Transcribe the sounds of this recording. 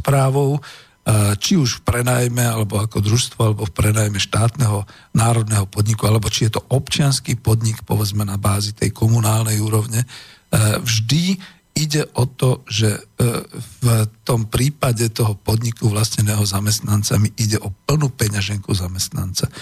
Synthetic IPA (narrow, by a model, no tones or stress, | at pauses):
spɾaːʋɔʊ | t͡ʃiuʃfpɾɛnaːjmɛalɛbɔakɔd̪ɾuʃst̪ʋɔalɛbɔfpɾɛnaːjmɛʃt̪aːt̪nɛɦɔ | naːɾɔd̪nɛɦɔpɔd̪ɲikualɛbɔt͡ʃijɛt̪ɔʔɔpt͡ʃɪanskiːpɔd̪ɲikpɔ̰ʋɛd͡zmɛnabaːzit̪ɛ̰jkɔmunaːlnɛjuːɾɔʊɲɛ | vʒd̪i | iɟɛʔɔt̪ɔʒɛ | t̪ɔmpɾiːpaɟɛt̪ɔɦɔpɔd̪ɲikuʋlasɲɛnɛːɦɔzamɛst̪nant͡samiʔiɟɛʔɔpl̩nupɛɲaʒɛŋkuzamɛst̪na̰nt͡sa